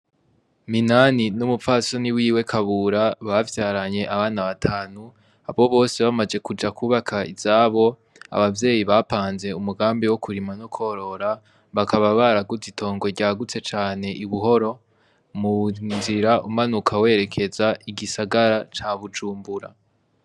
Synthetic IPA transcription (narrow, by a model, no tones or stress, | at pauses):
minaninumupfasoniwiːwe̞kʰaβuɾaβavjaːɾaɲe̞ʔaβaːnaβatʰaːnu | a̰βo̞βo̞ːseβamad͡ʒe̞kud͡ʒakʰuːβakʰaḭz̥aːβo̞ | a̰βavje̞ːjiβapaːnze̞umuɡaːmbiwo̞kʰuɾimanokʰo̞ɾo̞ɾa | βakʰaβaβaɾaɡuzitʰo̞ːŋɡe̞ɟaːɡut͡se̞t͡ʃaːne̞ʔiβuɦo̞ɾo̞ | munziɾaʔumanukʰawe̞ɾe̞kʰe̞zaʔiɡisaɡaɾat͡ʃaβud͡ʒuːmbuɾa̰